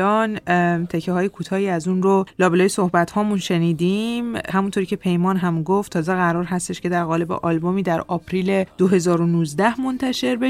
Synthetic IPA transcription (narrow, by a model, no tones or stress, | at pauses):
ɒːnt̪ʰecʰːeɦɒːjekʰuːt̪ʰɒːiːæzunɾolɒːbelɒːjeso̞hbæt̪hɒːmunʃe̞niːd̪imhæmunt̪ʰoɾiːcʰʲe̞pʰe̞jmɒːnɦæmɡoft̪ʰːɒːzeɣæɾɒːɾɦæst̪eʃcʰe̞d̪æɾɣɒːle̞bḛʔɒːlbomiːd̪æɾɒːpʰɾiːle̞d̪̥oɦe̞zɒːɾonuːzd̪æhmo̞nt̪ʰæʃe̞ɾbe